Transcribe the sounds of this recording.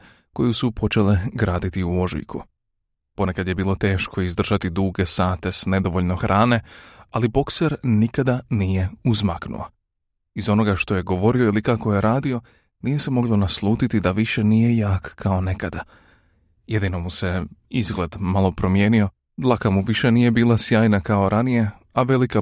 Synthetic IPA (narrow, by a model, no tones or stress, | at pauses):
ko̞jusupʰo̞t͡ʃe̞le̞ɡɾaːd̪it̪iuo̞ʒḭjkʰṵ | po̞ne̞kad̪je̞biːlˠo̞t̪e̞ːʃkʰo̞izd̪r̩ʒat̪id̪uːɡe̞saːt̪e̞sne̞d̪o̞ʋo̞ʎno̞xɾʔaːne̞alibo̞kseɾnikad̪anije̞uzmaknṵa̰ | izo̞no̞ɡaʃt̪o̞je̞ɡo̞ʋo̞ɾio̞ilikako̞jeɾaːd̪io̞ | nije̞se̞mo̞ɡlˠo̞naslˠuːt̪it̪id̪aʋiʃe̞nije̞jaːkkao̞ne̞kad̪a | je̞d̪ino̞muse̞izɡle̞d̪malˠo̞pɾo̞mje̞ːnio̞ | d̪lˠakamuʋiʃe̞nije̞biːlˠasjaːjnakao̞ɾʔanije̞ | aʋe̞lika